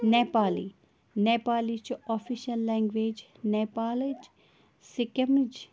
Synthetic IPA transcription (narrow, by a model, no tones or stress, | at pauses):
nepaːlḭ | nepaːlit͡ʃɔfiʃɐlːɛ̃ŋɡʋeːd͡ʒ | nepaːlid͡ʒ | sikɐmɾid͡ʒ